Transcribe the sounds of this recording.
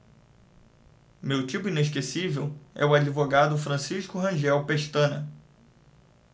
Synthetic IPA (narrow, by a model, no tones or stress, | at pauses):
mewt͡ʃipʊĩneʃ̬kesivewɛ̰ʊad͡ʒivoɡad̪ʊfɾɐ̃siʃkʊɦɐ̃ʒɛwpeʃt̪ɐ̃nɐ